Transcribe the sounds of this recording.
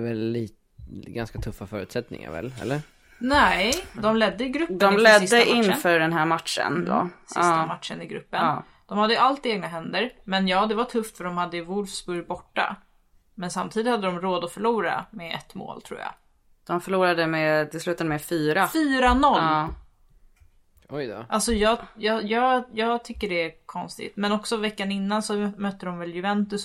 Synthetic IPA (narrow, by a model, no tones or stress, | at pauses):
vɛlːiːt̪ | ɡanskat̪ʰɵfːafœːɾʉ̟t̪sɛt̪nɪ̰ŋa̰ɾvɛ̰lɛ̰lːə | nɛd̪ɔmlɛd̪ːəɪɡɾɵpːd̪ɔmlɛd̪sɪsːəʔɪnfœːɖɛnɦæːɾmat̪ʂə̰nd̪o̰sɪst̪ːamat̪ʂənɪɡɾɵ̰pːənː | d̪̥ɔmhad̪ːəəalt̪eːɡnaɦɛnd̪əɾmɛnjɑːd̪ɛvaʈʰɵft̪fœɖɔmhad̪ːəɪvʊlfsbɵɾjbɔʈːa̰ | mɛnsamt̪ʰiːd̪ɪt̪had̪ːəd̪ɔmɾoːd̪ɔfœɭuːɾa̰mɛɛ̰t̪ːmo̰ːlt̪ʰɾṵːja̰ | d̪̥ɔmfœɭuːɾad̪əmɛt̪ɪlslʉ̟ːt̪ad̪əmɛfyːɾafyːɾanɔlː | ɔʔalsɔjɑːjɑːjɑːjɑːɡt̪ʰʏkːəɖɛækʰɔnst̪ɪ̰t̪mɛnɔksɔvɛkːanɪnːansɔmœt̪ːəd̪ɔmvɛljɵvɛnt̪ɵs